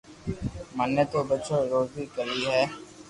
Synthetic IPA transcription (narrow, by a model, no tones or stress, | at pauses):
mənːət̪obətːʃoːɾoːzikəɾiːɦɛː